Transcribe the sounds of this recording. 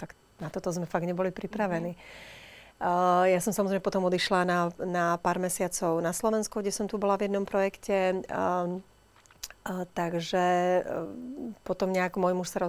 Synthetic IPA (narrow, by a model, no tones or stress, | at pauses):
t̪ak | nat̪ɔt̪ɔzmɛfaɡɲɛbɔlipɾipɾaʋɛniː | jasɔmsamɔzɾɛmɛpɔt̪ɔmɔd̪iʃlananapaːɾmɛsɪat͡sɔʊnaslɔʋɛnskuɡɟɛsɔmt̪ubɔlavjɛd̪nɔmpɾɔjɛkcɛ | t̪aɡʒɛ | pɔt̪ɔmɲɛakmɔjmuʃsaɾɔ